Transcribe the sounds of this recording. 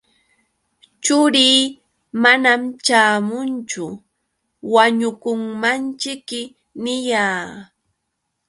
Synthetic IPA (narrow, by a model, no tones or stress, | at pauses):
t͡ʃʊɾiː | manamt͡ʃaːmʊnt͡ʃʊ | waɲʊkʊŋmant͡ʃɪkːɪ | nɪjaː